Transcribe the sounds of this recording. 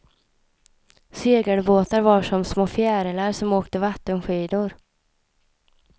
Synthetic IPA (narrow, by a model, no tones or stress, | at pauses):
seːɡəɳboːt̪aɾvɑːʂɔmsmoːfjæːɾəlaɾsɔmoːkt̪əvat̪ːənɧiːd̪ʊɾ